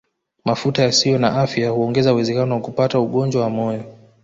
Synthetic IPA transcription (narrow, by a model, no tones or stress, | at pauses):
mafutajasijɔna̰ʔafjahuɔŋɡɛzauwɛzɛkanɔwakupatauɠɔnd͡ʒwawamɔjɔ